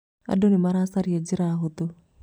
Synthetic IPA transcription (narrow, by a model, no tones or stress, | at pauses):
a̰dɔnimaɾasaɾiɛd͡ʒiɾaɦot̪o